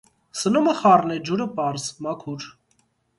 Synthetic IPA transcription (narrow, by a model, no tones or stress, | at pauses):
sənuməχɑrnɛd͡ʒuɾəpɑɾzmɑkʰuɾ